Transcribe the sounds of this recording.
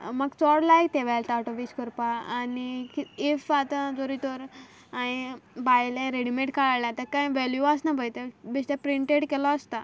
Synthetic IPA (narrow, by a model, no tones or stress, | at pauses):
məɡt͡sɔɽlajt̪eʋɛlt̪aʈɔʋiːskɔɾpaːnikiefat̪ãd͡zoɾit̪ɔɾ | aibajlẽɾeɽimẽʈkaɭalãt̪əkãjʋeljuasnabʱəjt̪ebist̪epɾiɳʈeɽkɛlɔəst̪a